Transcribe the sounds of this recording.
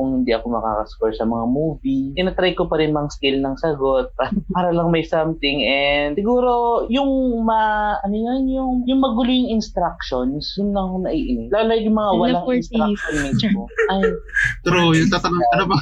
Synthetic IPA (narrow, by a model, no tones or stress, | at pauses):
kʊŋhɪnd̪iʔɐko̞mɐka̰ːkɐskoɹsɐmɐŋamuːvit̪ɪnɐt̪ɾajkopɐɾɪnmɐŋaskɪlnɐŋsɐɡo̞t̪̚paɾpaːɾɐlɐŋmɐjsamt̪ɪŋɛsɪɡuːɾo̞jʊŋmɐʔɐnojnjʊŋjʊŋmɐɡʊlʊjʊŋɪnst̪ɾak̚ʃonsjʊnːɐkonɐʔiʔɪnɛlalajʊŋmɐŋawɐllaŋst̪ɾaʃonmɪoat̪ɾujʊt̪at̪ɐloŋɐnobɐ